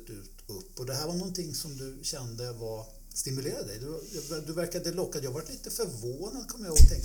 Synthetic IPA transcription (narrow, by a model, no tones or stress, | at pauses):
t̪ʉːt̪ɵpːɔd̪ɛɦæːɾvaɳɔnːt̪ʰɪŋːsɔmd̪ɵɕɛnd̪əvaɾ | st̪ɪmɵleːɾad̪d̪ɛ̰jd̪ɵjɑvd̪ɵvæɾkad̪əlɔkːad̪jɑːɡvaʈːliːt̪əfœɾvoːnad̪kʰɔmːjaoːɡt̪ʰɛŋk